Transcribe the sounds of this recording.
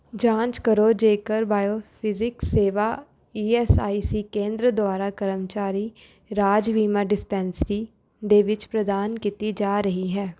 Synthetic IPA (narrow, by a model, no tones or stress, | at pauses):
d͡ʒãːnt͡ʃkəɾod͡ʒeːkəɾbaːjoːpʰɪzɪkseːʋaː | iːɛsaːisikẽːnd̪ɾəd̪ʊwaːɾakəɾəmt͡ʃaːɾi | ɾaːd͡ʒʋiːmaɖɪspɛ̃ːnsʈi | d̪eʋɪt͡ʃpɾəd̪aːnkit̪id͡ʒaːɾəɦiɦɛː